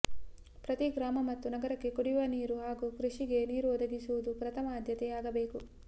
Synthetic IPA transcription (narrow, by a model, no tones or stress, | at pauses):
pɾɐt̪iɡɾaːmɐmɐt̪ːunɐɡɐɾɐkːe̞kuɽiʋɐniːɾuɦaːɡukɾuʂiɡe̞niːɾuɔd̪ɐɡisuʋud̪upɾɐt̪ʰɐmɐːd̪ʱjɐt̪ɛaːɡɐbeːku